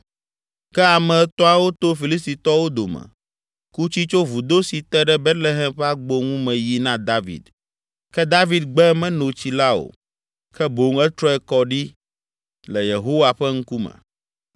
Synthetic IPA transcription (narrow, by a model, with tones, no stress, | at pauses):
kɛ˦a˨mɛ̃˨˦t̪ɔ˦a˨wo˦t̪o˦fi˨li˦s̬t̪i˨t̪ɔ˦wo˦d̪o˨mɛ̰̃˨ | ku˦t͡ɕi˦t͡ʃo˦vu˨d̪o˦si˨t̪ɛ˦ɖɛ˦bɛ˦t̪le˦ɦɛ̃˦mɸɛ˦a˦ɡ͡bo˦ŋũ˦mɛ̃˨ji˦nã˦d̪a˦vḭ˨d̪ | kɛ˦d̪a˦vi˨d̪ɡ͡bɛ˦mɛ̃˦nõ˨t͡ɕi˨la˦o̰˨ | kɛ˦bo˨ŋɛ˦t̪ɾɔ˦ɛ˦kɔ˦ɖi˦ | lɛ˨je˨ɦo˦wa˨ɸɛ˦ŋ̩˦ku˦mɛ̰̃˨